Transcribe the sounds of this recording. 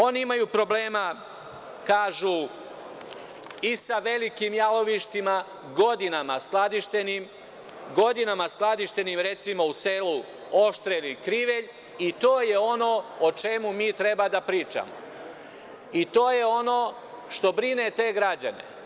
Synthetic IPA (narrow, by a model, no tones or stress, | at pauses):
o̞niimajupɾo̞ble̞ːma | kaːʒu | isaʋe̞likimjalo̞ʋiʃt̪ima | ɡo̞d̪inamasklˠad̪iʃt̪enim | ɡo̞d̪inamasklˠad̪iʃt̪e̞nimɾe̞t̪simause̞ːlu | o̞ʃt̪ɾelikɾiʋe̞ʎ | it̪oːje̞o̞no̞ot͡ʃe̞mumiːt̪ɾe̞bad̪apɾiːt͡ʃa̰mo̰ | it̪o̞ːjeo̞no̞ː | ʃt̪o̞bɾine̞t̪e̞ːɡɾad͡ʑa̰ne̞̰